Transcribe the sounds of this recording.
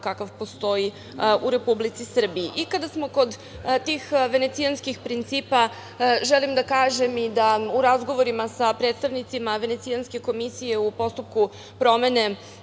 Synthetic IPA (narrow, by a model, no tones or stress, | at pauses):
kakaʋpo̞st̪o̞i | uɾe̞publit̪sisr̩biːʔːkad̪asmo̞ko̞d̪ | t̪ixʋe̞ne̞t̪sianskixpɾint̪siːpa | ʒelimd̪akaːʒe̞mid̪auɾazɡo̞ʋo̞ɾimasapɾed̪st̪aʋnit̪simaʋe̞ne̞t̪sianske̞ko̞misije̞upo̞st̪up̚ku | pɾo̞me̞ne̞